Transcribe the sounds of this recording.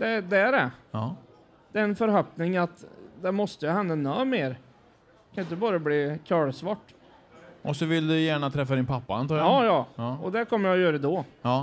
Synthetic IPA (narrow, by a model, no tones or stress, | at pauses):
d̪ɛd̪ɛːɖɛ | d̪̥ɛɛnfœɾɦœpnɪŋat̪d̪ɛmɔst̪əjɵhɛnd̪ənːœːmeːɾ | kʰanjʏnt̪əbɑːɾabliːkʰɑːɭsvɑʈː | ʔɔsɔvɪld̪ɵjæːɳat̪ʰɾɛfːad̪ɪnpʰapːaa̰nt̪ʰɑːɾjɑaːjɑːɔd̪ɛkʰɔmːəjajœːɾəd̪oː